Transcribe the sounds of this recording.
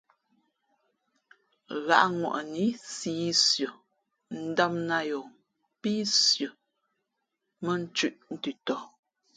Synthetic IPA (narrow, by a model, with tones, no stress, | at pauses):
ɣa̰˦ʔŋwɔ̰˨ʔni˨˦siː˦sjə˨ | n̩˦da˦mna˦jo˨ | pi˦sjə˨ | mə˦n̩˦t͡ʃʉ˦˨ʔn̩˦tʉ˨tɔ˨